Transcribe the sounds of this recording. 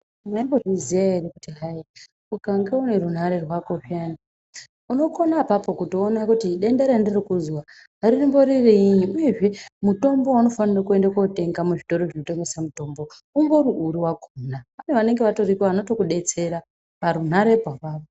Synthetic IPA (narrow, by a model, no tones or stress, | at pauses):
maimboʐiziaiɾikutiɦai | ukaŋɡeune̞ɾun̤aɾe̞rwakoʂiana | uno̞ko̞napapo̞kutoːnakutiɗe̞ndeɾendirikuzwa | ɦarinembo̞ɾiriɲiuje̞ʐe̞muto̞mbowano̞fanirakue̞ndakote̞ŋɡamuʐito̞ɾoʐino̞te̞me̞samuto̞mbo | uŋɡo̞ɾuuɾiwakʰonapaneʋane̞ŋɡe̞ʋato̞rikoʋano̞to̞kuɗe̞t͡se̞ɾa | paɾun̤aɾe̞paʋaːro